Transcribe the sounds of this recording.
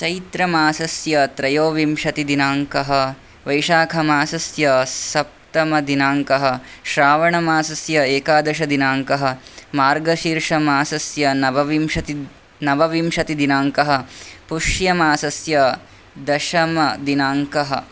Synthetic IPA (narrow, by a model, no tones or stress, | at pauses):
t͡ʃɐjt̪ɾɐmaːsɐsjɐt̪ɾɐjoːʋimʃɐt̪id̪inaːŋkɐɦɐ̆ | ʋɐjʃaːkʰɐmaːsɐsjɐsɐp̚t̪ɐmɐd̪inaːŋkɐɦɐ̆ʃɾaːʋɐɳɐmaːsɐsjɐeːkaːd̪ɐʃɐd̪inaːŋkɐɦɐ̆maːɾɡɐʃiːɾʂɐmaːsɐsjɐnɐʋɐʋimʃɐt̪i | nɐʋɐʋimʃɐt̪id̪inaːŋkɐɦɐ̆puʂjɐmaːsɐsjɐ | d̪ɐʃɐmɐd̪inaːŋkɐɦɐ̰̆